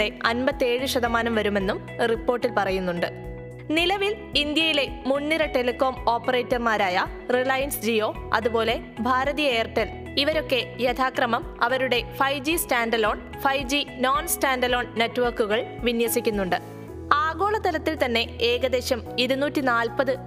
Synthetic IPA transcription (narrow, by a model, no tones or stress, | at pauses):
eɐnbɐt̪ːe̞ːɻɨʂɐd̪ɐmaːnɐmʋɐɾume̞nːum | ripːo̞ːrʈːilpɐrɐjunːuɳɖɨ | nilɐʋil | ind̪jɐjile̞munːiɾɐʈelikːo̞ːmo̞ːpːɐreːtːɐrmaːɾaːjɐ | riɭɐjɐnsd͡ʑio̞ːɐ̰ðubo̞ːle̞ | bʱaːɾɐðijɐeːrʈːel | iʋɐɾo̞kːe̞jet̪ʰaːkrɐmɐmɐʋɐɾuɽe̞fɐjd͡ʑistaːɳɖɐlo̞ːɳ | fɐjd͡ʑinoːnsʈaːnɖɐlo̞ːɳnːetːʋɐrkuɣɐɭʋinjʋɐsikʲːunːuɳɖɨ | aːɡo̞ːɭɐt̪ːɐlɐt̪ːilt̪ɐnːe̞eːɡɐd̪e̞ːɕɐmiɾunuːtːinaːlpɐðɨ